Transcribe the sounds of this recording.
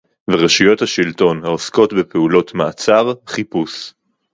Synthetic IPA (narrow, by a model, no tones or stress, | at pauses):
veʁeʃijo̞thaʃilto̞nhaosko̞tbepeulo̞tmaːt͡saʁχipus